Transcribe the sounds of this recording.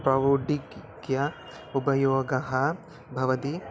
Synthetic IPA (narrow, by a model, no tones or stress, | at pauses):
pɾɐʋuɖiɡɡjɐ | ubɐjoːɡɐɦɐ | bʱɐʋɐt̪i